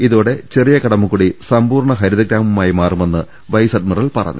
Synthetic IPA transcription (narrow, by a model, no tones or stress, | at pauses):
iðoːɽe̞t͡ɕe̞rijɐkɐɽɐmːukuːɽisɐmbuːrɳɐɦɐɾuðɐɡɾaːmumaːjimaːrume̞nːɨ | ʋɐjsɐɖmɐrɐɭpɐrɐ̰ɲːṵ